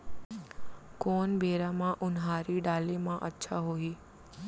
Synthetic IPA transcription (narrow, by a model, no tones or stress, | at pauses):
koːnbʱeːɾãmãʔʊnɦaːɾiɖaːlemãʔətːʃʰaɦoːiː